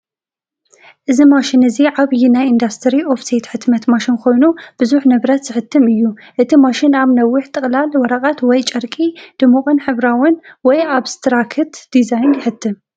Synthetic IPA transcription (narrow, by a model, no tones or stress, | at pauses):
ʔɨzimaʃɪnɨziʕaβjinajind̪ast̪ʰɨɾio̞fset̪ħɨt̪mɐt̪maʃinkʰo̞jnub̥ɨzuħnɨβɾɐt̪z̥ɨħɨt̪ʰːɨmɨjːuʔɨt̪ʰimaʃɪnaβnɐwːʊħt̪ʼɨχʼlalwɔɾakʼat̪wɔjt͡ʃʼɐɾkʼid̪̥ɨmukʼɨnħɨβɾawʊnwɔjaβst̪ʰɾakʰɨt̪d̪̥izajnjɪħɨt̪ʰːɨm